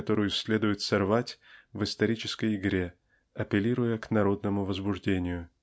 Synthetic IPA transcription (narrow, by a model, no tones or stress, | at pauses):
t̪o̞ɾʊjʊsʲlʲe̞d̪ʊjɪt̪sɐrvatʲvɨst̪ɐɾʲit͡ɕɪskəjɪɡɾʲe | ɐpʲɪlʲiɾʊjəknɐɾo̞d̪nəmʊvəzbʊʐdʲenʲɪjʊ